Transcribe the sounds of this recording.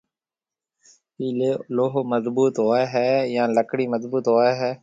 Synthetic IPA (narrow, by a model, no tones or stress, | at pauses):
piːleːloɦməzbuːt̪ɦoːɛːɦɛːjãːləkɽiːməzbuːt̪ɦoːɛːɦɛː